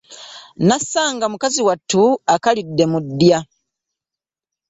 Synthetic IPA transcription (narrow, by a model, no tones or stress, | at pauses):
nasaːŋɡamukaziwatːuakalidːe̞mudːja